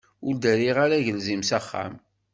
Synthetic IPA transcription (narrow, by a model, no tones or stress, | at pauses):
ʊɾd̪æɾiʁaɾæʝəlzimsaχːa̰m